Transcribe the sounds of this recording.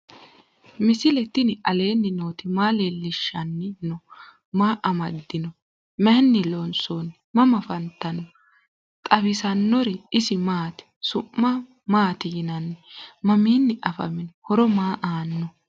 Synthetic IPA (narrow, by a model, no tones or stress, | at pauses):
mɪsɪlɛt̪ːɪnɪʔɐle̞ːnːɪnoːt̪ɪmaːleːlːɪʃːɐnːɪnɔ | maːʔɐmɐd̪ːɪnɔ | mɛnːɪlɔnsoːnːɪmɐmɐfɐnt̪ːɐnɔ | t̪ʼɐbɪsɐnːɔɾɛɪsɪmaːt̪ɪ̥sʊmːɐ | maːt̪ɪjɪnɐnːɛmɐmiːnːɪʔɐfɐ̰mɪnɔhɔɾɔmaːʔaːnːɔ